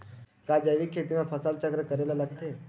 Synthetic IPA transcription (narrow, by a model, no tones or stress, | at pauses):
kad͡ʒəʋikʰːeːt̪imẽpʰɐsəlt͡ʃəkɾəkəɾeːlalɐɡ̚t̪eɦɛ